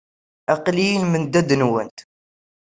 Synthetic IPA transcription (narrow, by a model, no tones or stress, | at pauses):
æqlijəlmənd̪æd̪nwənt̪